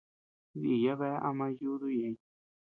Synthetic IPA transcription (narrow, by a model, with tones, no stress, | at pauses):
βḭ˦˨ja˦βe˦ʔa˧mã˧ju˦ðu˦jẽ˧